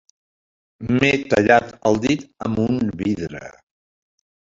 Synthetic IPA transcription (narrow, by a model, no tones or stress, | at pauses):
met̪əʎat̪əlˠd̪it̪əmbunβiðɾə̰